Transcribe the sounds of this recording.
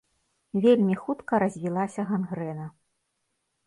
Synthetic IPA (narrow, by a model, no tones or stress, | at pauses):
vʲelʲmʲixut̪kɐɾɐzʲvʲilˠasʲɐɣanɣɾɛnɐ